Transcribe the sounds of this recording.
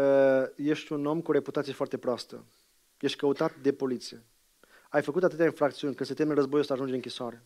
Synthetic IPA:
əje̞ʃt̪ʲuno̞mkuoɾe̞put̪at̪sije̞foart̪epɾoast̪ə̰ | je̞ʃt̪̚ʲkəut̪at̪̚d̪e̞po̞lit̪sije̞ | ajfəkut̪at̪ɨt̪eainfɾak̚t̪siunʲkɨnd̪set̪emeɾəzbo̞juosaʒund͡ʒeɨŋkʲisoaɾe̞

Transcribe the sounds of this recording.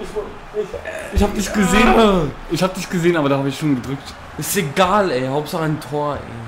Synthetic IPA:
ɪçhaːbədɪçtɡ̥əzeːənəʔɪçhaːbədɪçtɡ̥əzeːənʔaːbɐɾaːhaːbəɪçʃoːnɡədʁʏk̚t | ɪseɡaːlɛhaʊp̚tz̥aχəɪntʰoːɐʔɛ̰ɪ

